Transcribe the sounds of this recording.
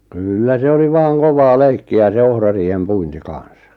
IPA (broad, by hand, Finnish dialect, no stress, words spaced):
kylːæ se oli ʋɑːŋ koʋɑː leikːiæ se ohrɑriːhem puinti kɑn̞s